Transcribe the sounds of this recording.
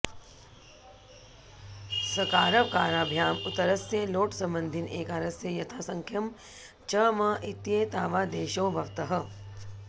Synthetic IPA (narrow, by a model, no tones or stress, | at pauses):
sɐkaːɾɐʋkaːɾaːbʱjaːmʊt̪ɐɾɐsjeloːʈsɐ̃mbə̃nd̪ʱɪneːkaːɾɐsjejɐt̪ʰaːsɐ̃ŋkʰjɐm | t͡ʃɐmɐʔɪt̪jet̪aːʋaːd̪eːʃoːbʱɐʋt̪ɐɦɐ̆